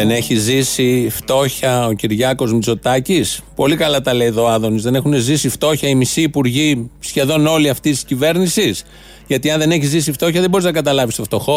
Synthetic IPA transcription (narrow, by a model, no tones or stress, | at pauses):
ene̞çizisift̪o̞çɐociɾʝɐko̞zmit͡so̞t̪ɐcispo̞likɐlɐt̪ɐle̞iðo̞ːɐðo̞nizðe̞ne̞xunezisift̪o̞çɐimisiːpuɾʝisçe̞ðo̞no̞liɐft̪ist̪iscive̞ɾnisis | ʝɐt̪iɐnðe̞ne̞çizisift̪o̞çɐðebo̞ɾiznɐɡɐt̪ɐlɐvist̪o̞ft̪o̞xo̞